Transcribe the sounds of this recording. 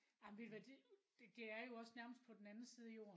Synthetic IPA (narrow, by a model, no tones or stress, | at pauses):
ɑ̈mʋed̥ʋæd̥id̥ed̥e̝æɐjo̝ɒ̽snæɐməsd̥̚pʰɒ̽d̥en̩ænn̩siːð̞̩ˠijo̝̰ːɐn